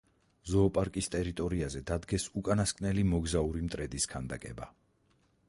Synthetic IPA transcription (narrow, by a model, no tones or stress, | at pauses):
zɔːpʼaɾkʼist̪ʼɛɾit̪ʼɔɾiazɛd̪ad̪ɡɛsukʼanaskʼnɛlimɔɡzauɾimt̪ʼɾɛd̪iskʰand̪akʼɛba